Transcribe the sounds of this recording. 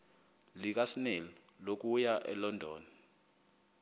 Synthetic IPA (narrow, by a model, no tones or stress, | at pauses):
lik̬asinɛlɔ | lok̬ujaʔɛ̰lɔndʱɔːna